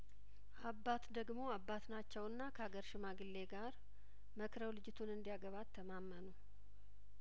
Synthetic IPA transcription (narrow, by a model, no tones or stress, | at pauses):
ʔabːat̪d̪əɡmo̞abːat̪nat͡ʃːɛwɨnːakʰəhaɡəɾʃɪmaɡɨlːe̞ɡaɾ | məkɾəwlɨd͡ʒɪt̪ʰunɨnd̪ijaɡəβat̪ʰːəmamːənu